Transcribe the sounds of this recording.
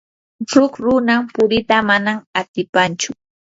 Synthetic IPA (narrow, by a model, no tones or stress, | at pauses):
ɾʊkɾʊnampʊɾɪt̪amanamat̪ɪpant͡ʃʊ